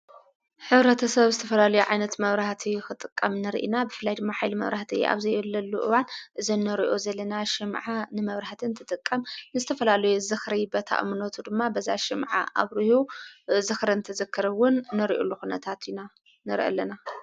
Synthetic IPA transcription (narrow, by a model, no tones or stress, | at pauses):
ħɨβɾɐt̪ʰɐsɐβzɨt̪ʰɐfɐlalɐjuʕajnɐt̪mɐβɾaht̪ʰixɨt̪ʼɨkʼːɐmnɨɾʔḭnabɨfɨlːajd̪ɨmːaħajlimɐ̰βɾaħt̪ʰḭʔa̰βzɐjɛlːɐlːuʔɨ̰wanʔɨzinːɨɾiʔozɐlːɐnaʃɪmʕanɨmɐβɾaħt̪ʰɨnt̪ʰɨt̪ʼɨkʼːɐmnɨzɨt̪ʰɐfɐlalɐjuzɨxɾɐjbɐt̪ʰa̰ʔmɨnot̪ʰud̪ɨmːabɐza̰ʃɪmʕa̰ʔa̰βɾihuzɨxɾɐnɨt̪ʰɐzɐkʰːɐɾɐwʊnːɨɾiʔṵlːuxunɐt̪ʰat̪ʰina | nɨɾʔɐ̰lːɐna